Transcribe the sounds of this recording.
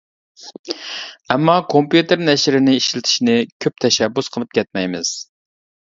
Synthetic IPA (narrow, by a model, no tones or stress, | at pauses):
ɛmːɑkʰompjut̪ɪɾnɛʃɾɪnɪiʃlɪt̪ʰɪ̥ʃinɪkʲʰøp̚t̪ʰɛʃɛbːusqʰəlˠɨp̚kʲʰɛt̪̚mɛjmɪz̥